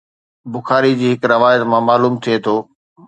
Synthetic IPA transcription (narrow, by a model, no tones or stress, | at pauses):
bʊxaːɾid͡ʑiːɦɪkɾɐʋaːjət̪mãmaːluːmt̪ʰiet̪ʰoː